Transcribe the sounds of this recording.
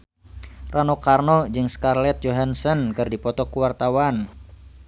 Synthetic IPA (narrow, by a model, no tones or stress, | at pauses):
ranokarnɔd͡ʒɨŋskarlɛt̪̚d͡ʒoɦansɔnkɨrdipɔt̪ɔkuwart̪awan